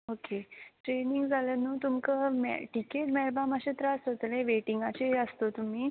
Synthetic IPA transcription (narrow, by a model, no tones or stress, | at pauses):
okeʈɾeniŋɡd͡zʱalənuːt̪umkəmɛ̰ʈikeʈmɛɭbaməɕet̪ɾaəsɦot̪lẽʋeʈiŋɡat͡ɕeɦəst̪ot̪um̤iː